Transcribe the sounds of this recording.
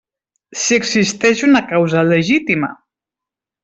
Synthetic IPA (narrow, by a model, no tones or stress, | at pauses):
siəɡzist̪ɛʃunəkawzələʒit̪imə̰